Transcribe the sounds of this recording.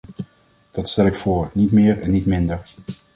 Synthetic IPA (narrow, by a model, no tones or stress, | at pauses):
d̥ɑtstɛlɪkfʊːɹnitmɪːɹɛnːitmɪndəɹ